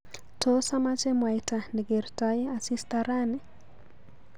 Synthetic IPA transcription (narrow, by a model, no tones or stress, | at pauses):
tʰɔsamat͡ʃɛmwajtaniɡeɾtajasistaɾani